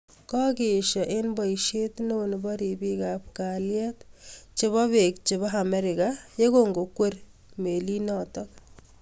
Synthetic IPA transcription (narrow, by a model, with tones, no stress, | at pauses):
kɔ˦ke˨ʃɔ˨ʔe˦nbɔ˨iʃe˦tno˦nbɔ˦ɾi˨bi˦kap̚kaljɛ˦tt͡ʃe˦βɔ˦be˨k̚t͡ʃe˨ba˦ɦamɛɾɪ˨kaje˦koŋɡo˨kwe˦r | me˨li˦nɔtɔk